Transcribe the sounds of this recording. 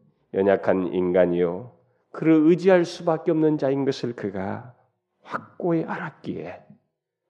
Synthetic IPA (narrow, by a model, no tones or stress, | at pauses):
jʌɲakʰanḭnɡaɲio | kɯɾʌɯd͡ʑiɦaɭs͈ubak̚k͈eʌmnɯnd͡ʑainɡʌsʰɯɭkɯɡa̰ | ɸak̚k͈oeʔaɾak͈ie